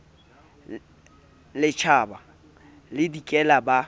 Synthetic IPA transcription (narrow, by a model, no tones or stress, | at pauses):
lɪt͡ʃʰaːba | lɪdikʼɛlaba